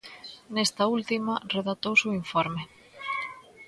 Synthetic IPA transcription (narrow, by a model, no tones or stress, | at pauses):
nest̪ɐult̪imɐreðat̪owsuiɱfoɾme